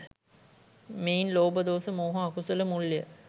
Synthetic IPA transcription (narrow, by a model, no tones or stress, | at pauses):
meinloːbəd̪oːsəmoːɦɐakusələmulːijə̰